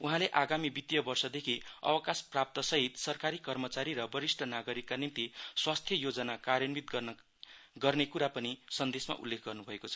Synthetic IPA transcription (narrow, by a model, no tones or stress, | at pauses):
uɦãleʔaɡamibit̪jʌbʌrsʌd̪ekʰiʌ̰wʌkasprap̚t̪ʌsʌɦit̪sʌrkaɾikʌrmʌt͡saɾiɾʌbʌɾisʈʌnaɡʌɾikːanimt̪iswast̪ʰjʌjod͡zʌnakarjʌnbit̪ | ɡʌrnekuɾapʌnisʌnd̪esma̰ʔṵlːekʰɡʌrnubʱʌekot͡sʰʌ̥